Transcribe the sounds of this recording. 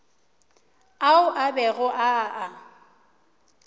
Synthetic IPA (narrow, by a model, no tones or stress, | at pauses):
aʊʔabɛɣʊʔaʔa